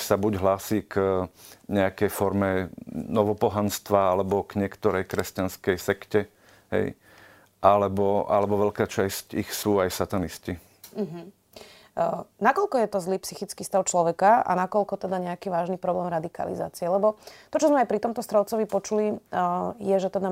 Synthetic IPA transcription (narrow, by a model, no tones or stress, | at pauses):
sabuɟɦlaːsiːk | ɲɛakɛjfɔɾmɛnɔʋɔpɔɦanst̪ʋaalɛbɔɡ̥ɲɪɛkt̪ɔɾɛjkɾɛscanskɛjsɛkcɛ | ɦɛ̰j | ʔalɛbɔa̰lɛbɔʋɛʎkaːt͡ʃascixsuːajsat̪anisci | ɦ̩ | nakɔlkɔjɛt̪ɔzliːpsixit͡skiːst̪aʊt͡ʃlɔʋɛkaa̰nakɔlkɔt̪ɛd̪aɲɛakiʋaːʒnipɾɔblɛːmɾad̪ika̰lḭza̰ːt͡siɛlɛbɔt̪ɔt͡ʃɔzmɛajpɾit̪ɔmt̪ɔst̪ɾɔʊt͡sɔʋipɔt͡ʃuli | jɛʒɛt̪ɛd̪a